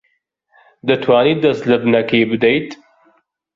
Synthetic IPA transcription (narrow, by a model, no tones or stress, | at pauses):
d̪ɐt̪ʰwaːniːd̪ɐslɨbnɐkiːbɨd̪ejt̪